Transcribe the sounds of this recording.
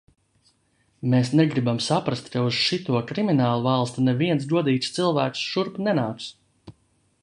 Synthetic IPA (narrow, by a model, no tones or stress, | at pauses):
meːsnɛɡɾibamsapɾast̪kauz̥ʃit̪uɔkɾiminaːlˠuvalˠst̪unɛviɛns̬d̪uɔd̪iːt̪st̪silˠvæːksʃuɾpnɛnaːks